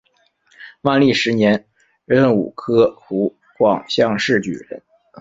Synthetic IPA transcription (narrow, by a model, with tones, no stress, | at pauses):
wa˥˧nli˥˩ʂɻ̩˧˥njɛ˧˥n | ɻə˥˩nṵ˨˩kʰɤ˥xu˧˥ | kwɑ˨˩ŋɕjɑ˥˧ŋʂɻ̩˥˩t͡ɕy̰˨˩ɻə̰˧˥n